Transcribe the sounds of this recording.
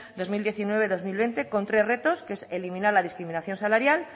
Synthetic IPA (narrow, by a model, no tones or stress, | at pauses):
d̪o̞zmild̪je̞θinwe̞β̞e̞ðo̞zmilβe̞nt̪e̞ko̞nt̪ɾe̞zre̞t̪o̞skeeselimĩnaɾlað̞iskɾiminaθjo̞nsalaɾjal